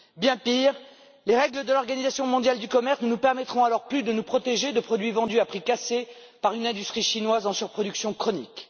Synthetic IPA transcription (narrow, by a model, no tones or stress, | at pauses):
bjɛ̃piːʁ | leʁɛɡləd̪əlɔʁɡanizasjɔ̃mɔ̃d̪jald̪ykɔmɛʁsnənupɛʁmɛt̪χɔ̃alɔʁplyd̪ənupχɔt̪eʒed̪əpχɔd̪ɥivɑ̃d̪yapχikase | paʁynɛ̃d̪yst̪χiʃinwazɑ̃syʁpχɔd̪yksjɔ̃kχɔnik